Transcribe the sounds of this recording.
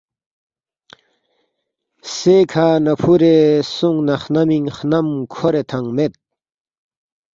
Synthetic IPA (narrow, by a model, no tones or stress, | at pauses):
sekʰanɐpʰuɾesuŋɡnɐxnɐmiŋxnɐmkʰoɾet̪ʰɐŋɡmet̪̚